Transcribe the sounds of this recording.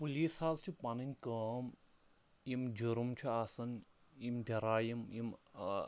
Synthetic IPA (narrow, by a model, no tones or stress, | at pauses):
puliːsaːzt͡ʃʰupɐninʲkəːm | jimd͡ʒuɾumt͡ʃʰuasɐn | imd̪ʲʱɐɾaːjimjim